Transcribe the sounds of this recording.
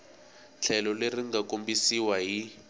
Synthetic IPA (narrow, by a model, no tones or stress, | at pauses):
ɬʰɛlɔleriŋɡakombisiwaɦi